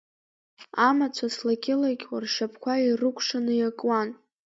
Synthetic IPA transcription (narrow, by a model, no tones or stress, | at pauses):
amat͡ʃʷʰaslaɡʲʼɪlaɡʲʼwarʂapʰkʷʰairɨkʷʰʂanɨjakʼwan